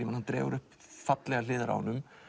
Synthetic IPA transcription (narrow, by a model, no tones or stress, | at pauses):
imanhant̪ɾɛ̰ːvʏ̰ɾʏhpfat̪lɛɣalɪːðɪɾa̰nːʏm